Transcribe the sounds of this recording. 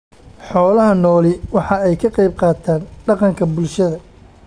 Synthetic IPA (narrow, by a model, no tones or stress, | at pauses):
ħɔːlɐɦɐnɔːlɪwɑħɑɛjkʰɐqɑjb̚qɑːt̪ʰaːnɖɑqɑŋkʰɐbʊlʃɐðɐ